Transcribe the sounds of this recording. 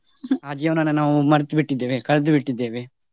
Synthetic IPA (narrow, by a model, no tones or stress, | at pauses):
aːd͡ʒijɐʋnɐnːɐnaːʋumɐɾɐt̪ubiʈːid̪ːeːʋekɐɭɐd̪ubiʈːid̪ːeːʋe